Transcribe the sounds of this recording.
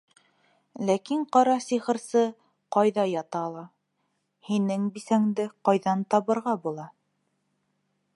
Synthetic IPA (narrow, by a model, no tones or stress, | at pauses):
lækiɴqɑɾɑsiχɤ̆ɾsɤ | qɑjðɑjɑt̪ɑlˠɑ | hinɘŋbisæŋd̪ɘqɑjðɑnt̪ɑβɤ̆ɾʁɑbulˠɑ